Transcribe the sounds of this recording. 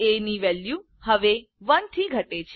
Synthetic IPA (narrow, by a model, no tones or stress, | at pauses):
eniʋɛlju | həʋe | ʋənt̪ʰiɡʱəʈet͡ʃʰe